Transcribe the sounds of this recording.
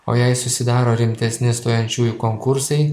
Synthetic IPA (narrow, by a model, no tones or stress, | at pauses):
o̰ːjɛɪsʊsʲɪd̪ɑːɾoːɾʲɪmʲt̪ʲɛsʲnʲɪst̪oːjɛnʲt͡ʃʲuːjukoŋkʊɾsɐɪ